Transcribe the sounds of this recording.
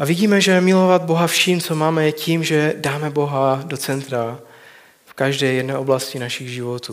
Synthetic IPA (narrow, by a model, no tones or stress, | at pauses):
ʔavɪɟiːmɛʒɛmɪlo̞vad̪̚bo̞ɦafʃimt͡so̞maːmɛcimʒɛdaːmɛbo̞ɦado̞t͡sɛnt̪ɾa | fkaʒdɛːjɛdnɛːʔoblascɪnaʃɪɣʒɪvo̞t̪uː